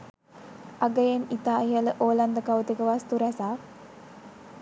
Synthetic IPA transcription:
aɡəjenit̪aːiɦələʔoːland̪əkaʋət̪ekəʋast̪uɾɛsaː

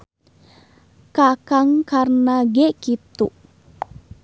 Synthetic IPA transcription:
kakaŋkarnaɡɛʔkit̪uʔ

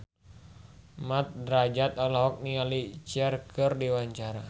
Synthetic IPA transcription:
mat̪̚dɾad͡ʒat̪̚alaɦɔk̚nialit͡ʃɛrkʰɨrdiwaɲt͡ʃaɾa

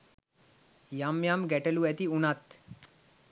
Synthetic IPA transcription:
jamjamɡæʈeluæt̪iunat̪

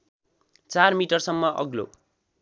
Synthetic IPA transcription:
t͡sarmiʈʌrsʌmːʌʔʌ̰ɡlo̰

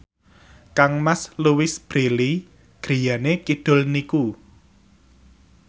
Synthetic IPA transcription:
kaŋmasluwɪsb̥ɾeli | ɡ̥ɾi̤janekiɖ̥ʊ̤lniku

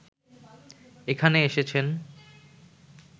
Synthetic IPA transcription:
ekʰaneeʃet͡ɕʰen

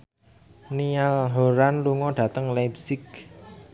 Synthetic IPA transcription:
nialɦoɾanluŋɔɖ̥ä̤t̪əŋlapsɪk̚

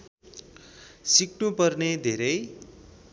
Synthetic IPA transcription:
siknupʌrned̪ʱeɾʌj

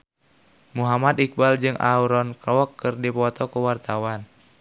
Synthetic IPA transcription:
muɦamad̪ik̚bald͡ʒɨŋʔa̰uɾɔnkɔɔkːɨrdipɔt̪ɔkuwart̪awan

